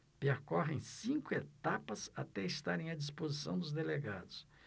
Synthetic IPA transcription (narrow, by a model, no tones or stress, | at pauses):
peɾkɔɦẽj̃sĩkʊet̪apɐza̰t̪ɛist̪aɾẽj̃ɐd͡ʒispozisɐ̃w̃d̪ʊzd̪eleɡa̰d̪ʊs